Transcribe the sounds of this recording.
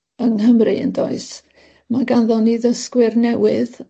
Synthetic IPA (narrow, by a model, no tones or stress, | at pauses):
əŋhəmrɨə̰ndoɨs | maɡanðɔniðəskwɪrnɛwɨð